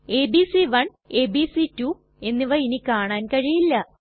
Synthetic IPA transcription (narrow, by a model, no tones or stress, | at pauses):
eːbisiʋɐɳ | eːbiːsitu | e̞nːiʋɐinikaːɳaːnkɐɻijilːɐ